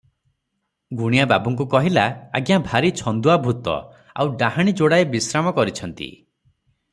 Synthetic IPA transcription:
ɡuɽ̃ijababɔŋk̬ukɔɦilaa̰ɡjabʱaɾit͡ʃʰɔnd̪uabʱut̪ɔ̰ | a̰wɖaɦaɽ̃id͡ʒoɽaebisɾamɔkɔɾit͡ʃʰɔnt̪ḭ

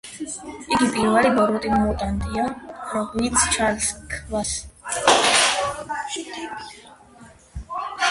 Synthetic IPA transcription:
iɡipʼiɾvalibɔɾɔt̪ʼiɡamɔt̪ʼand̪ʼiaɾɔit̪sʰt͡ʃʰaɾskʰvas

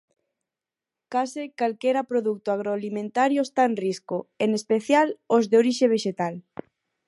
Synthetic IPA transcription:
kasekalkeɾapɾoðuk̚t̪oaɣɾoalimẽnt̪aɾjoest̪aenriskoenespeθjalozðeoɾiʃeβ̞eʃet̪al

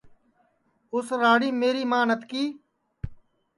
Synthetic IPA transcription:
ʊsɾaːɽiːmeːɾiːmaːnət̪kiː

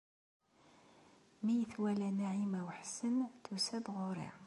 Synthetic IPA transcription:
mijəθwælænæʕimæwħsənθusæðʁoɾḭ

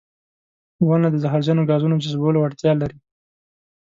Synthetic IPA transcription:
wanad̪əzaɦɑɾzɑnoɡɑzunod͡ʒazbolowaɽt̪jɑlːaɾi

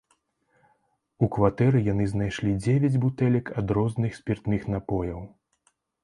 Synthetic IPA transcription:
ukvat̪ɛɾɨjanɨznajʂlʲid͡zʲevʲad͡zʲbut̪ɛlʲɐkɐd̪ɾɔznɨxsʲpʲirt̪nɨxn̪apɔjɐw

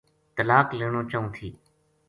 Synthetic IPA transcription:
t̪əlaːkleːɳ̃oːt͡ʃaːũːt̪ʰiː

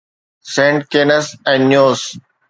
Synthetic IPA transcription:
sẽːɳʈ̚keːnəsɛ̃nɖːjoːs

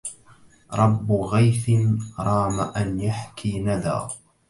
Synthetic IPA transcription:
ɾˤɑbːɣajθɪnɾˤɑːmaʔanjaħkʰiːnad̪a̰ː

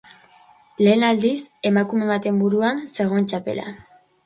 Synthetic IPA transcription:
le̞ːnald̪ise̞makume̞βat̪e̞mbuɾuanse̞ɣ̞o̞ent͡ʃape̞̰la̰

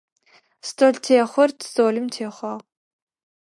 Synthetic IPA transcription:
stʰoːɮtʰeːχʷɔrtʰzoːlɨmtʰeːχʷɑːʁ

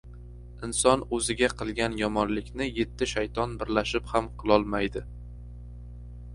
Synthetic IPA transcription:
ɪnsɒnɵzɪɡʲaqʰɨlˠɡʲanjɒmɒnlɪkʲnɪje̞t̪ʰːɪʃajt̪ʰɒnbɪɾlaʃɪphamqʰɨlˠɒlˠmajd̪ɪ

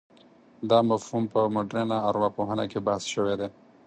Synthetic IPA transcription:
d̪ɑmafhumpəmoɖɾenaːɾmapoɦana̰kebahsʃəwed̪e

